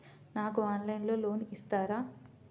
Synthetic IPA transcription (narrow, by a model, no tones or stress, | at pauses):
naːkuaːnlɐjnlo̞ːlo̞ːniʔist̪aːɾaː